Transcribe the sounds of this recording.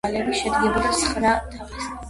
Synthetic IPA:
alɛbiʃɛd̪ɡɛbɾasχɾad̪ʰavis

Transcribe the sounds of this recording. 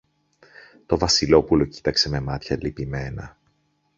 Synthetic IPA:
t̪o̞vɐsilo̞pulo̞ci̥t̪ɐkse̞me̞mɐt̪çɐlipime̞nɐ̰

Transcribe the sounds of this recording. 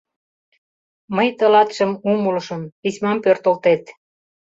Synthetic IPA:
məjt̪ə̆lɑt̪ʃə̆mumulʃənpismɑmpørt̪olt̪et̪

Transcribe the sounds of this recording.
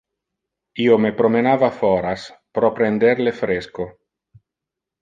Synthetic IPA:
iomepɾomenavafɔɾaspɾɔpɾend̪eɾlefɾesko

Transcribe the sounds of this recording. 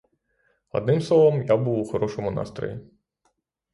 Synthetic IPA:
ɔ̰d̪nɪmslˠɔʋɔmjabuuxɔɾɔʃɔmʊnɑ̰st̪ɾɔ̰ji

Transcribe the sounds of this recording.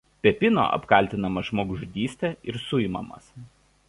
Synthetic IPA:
pʲɛpʲɪno̰ːʔɐ̰pkɐˑlʲt̪ʲɪnɐmɐʒmoːɡʊʒʊd̪ʲiːsʲt̪ʲɛɪɾsʊɪmɐ̰mɐ̰s

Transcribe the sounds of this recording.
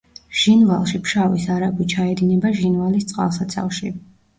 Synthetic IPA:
ʒ̥invalˠʃipʰʃavisaɾakwit͡ʃʰaɛd̪inɛbaʒinvalist̪sʼqʼa̰lˠsat̪sʰa̰lˠʃi

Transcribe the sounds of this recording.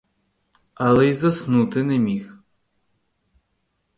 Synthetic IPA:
ɐlˠɛjzɐsnut̪ɪnɛmʲix

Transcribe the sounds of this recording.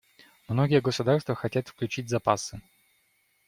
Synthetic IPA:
mnoɡʲɪjəɡəsʊd̪arst̪vəxɐtʲat̪fklʲʉt͡ɕitʲzɐpasɨ

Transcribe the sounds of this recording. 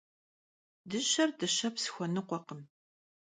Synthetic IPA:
dɨɕɐrdɨɕɐpsɨ̥xʷɔnɨqʷɔqəm

